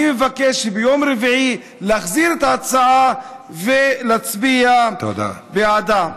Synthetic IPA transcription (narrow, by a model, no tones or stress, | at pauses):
imevakeʃbejo̞mɾeviʕi | laχziɾet̪aːt͡saʕa | velat͡sbiat̪o̰d̪a̰bead̪am